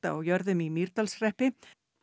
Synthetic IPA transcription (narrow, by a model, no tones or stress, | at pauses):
a̰a̰wjœɾðʏmimiɾt̪alsrɛhpɪ